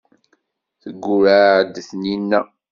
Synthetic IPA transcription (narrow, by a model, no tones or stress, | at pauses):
θəɡːʊɾaʕd̪θninːæ